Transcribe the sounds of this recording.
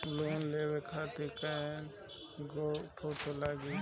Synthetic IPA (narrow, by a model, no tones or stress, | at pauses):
loːnleːwekʰaːt̪ekan | ɡoːpʰoːt̪olaːɡiː